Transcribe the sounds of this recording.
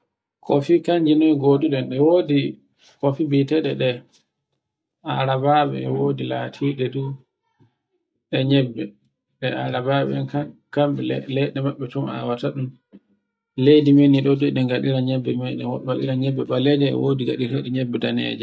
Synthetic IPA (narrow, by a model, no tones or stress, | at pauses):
kʰofikaɲd͡ʒinɔjɡoɗuɗɛnɗɛwodi | kofibitɛɗɛɗɛ | aɾabaɓɛ̰ɛwodilatʰiɗɛdu | ɗɛɲɛbːɛ | ɗɛaɾabaɓɛɛnkakamɓɛlɛɗɛmaɓːɛtɔma̰wataɗum | lejdimeniɗɔduɗɛŋɡaɗiɾaɲɛbːɛmɛɗɛɔɓaɗḭɾaɲɛbːɛɓalɛd͡ʒɛɛ̰wodiɡaɗiɾɛɗɛɲɛbːɛdanɛ̰d͡ʒɛ